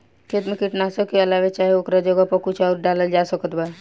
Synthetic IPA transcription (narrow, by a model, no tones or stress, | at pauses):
kʰeːt̪mẽkɪʈnasokeəlaːʋet͡ʃaːɦieokɾad͡ʒoɡapəkʊt͡ʃʰaːɾɖaləld͡ʒaːsəkət̪ba